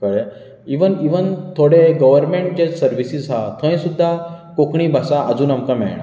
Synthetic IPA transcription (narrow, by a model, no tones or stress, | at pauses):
kəɽe | iʋəniʋənt̪ʰoɽeɡəʋəɾmeɳʈ̚d͡ʑesəɾʋisid͡zɦat̪ʰə̃j̃sud̪ʱːakokɳ̃ibʱasaʔəd͡zuːnamkamɛ̰ɳ